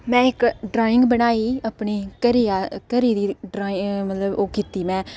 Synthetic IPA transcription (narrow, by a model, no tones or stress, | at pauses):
mɛ̃ːɪkɖɾaːɪ̃ŋɡbənaːiːəpɳiːkəɾiːaːkəɾiːd̪iːɖɾaːɪŋmət̪ləboːkiːt̪iːmɛ̃ː